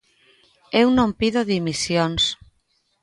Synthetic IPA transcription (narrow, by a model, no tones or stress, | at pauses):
ewnõmpiðoðimisjons